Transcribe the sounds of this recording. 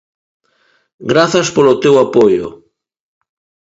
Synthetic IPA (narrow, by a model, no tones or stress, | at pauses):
ɡɾaθɐspolot̪ewapojo̰